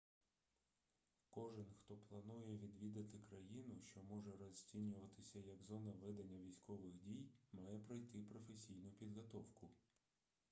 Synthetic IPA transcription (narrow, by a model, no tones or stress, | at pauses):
kɔʒɪnxt̪ɔplˠɐnujɛʋʲid̪ʋʲid̪ɐt̪ɪkɾɐjinʊʃt͡ʃɔmɔʒɛɾɔzʲt͡sʲinʲʊʋɐt̪ɪsʲɐjɐɡzɔnɐʋɪd̪ɐnʲːɐʋʲijsʲkɔʋɪxdʲijmɑjɛpɾɐjt̪ɪpɾɔfesʲijnʊpʲid̪ɦɔt̪ɔwkʊ